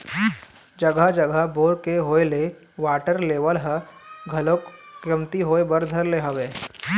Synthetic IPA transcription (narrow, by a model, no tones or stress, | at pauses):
d͡ʒəɡəd͡ʒəɡʱəboːɾkeɦoːele | ʋaːʈəɾleːʋəlɦəɡʱɐlokkɾəmt̪iɦoːebəɾd̪ʱəɾleɦəʋeː